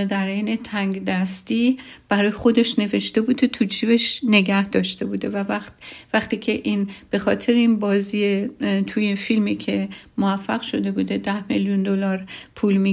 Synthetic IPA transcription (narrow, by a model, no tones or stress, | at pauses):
d̪æɾejnet̪ʰæŋɡd̪æst̪iːb̥æɾɒːjexo̞d̪e̞ʃne̞ve̞ʃt̪e̞buːd̪et̪ʰud͡ʒʰiːbeʃne̞ɟæhd̪ɒːʃt̪e̞buːd̪e̞vævævæχt̪iːcʰe̞ʔinb̥e̞xɒːt̪ʰe̞ɾeiːnbɒːziːet̪ʰujefilmicʰe̞moæfːæɣʃo̞d̪e̞buːd̪e̞d̪æhmeljund̪o̞lɒːɾpʰuːlmi